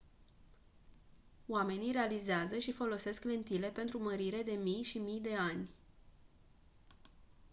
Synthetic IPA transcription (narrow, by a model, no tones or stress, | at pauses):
oame̞niɾe̞alizeazəʃifo̞lo̞se̞skle̞nt̪ile̞pe̞nt̪ɾuməɾiɾe̞d̪e̞mijʃimijd̪e̞anʲ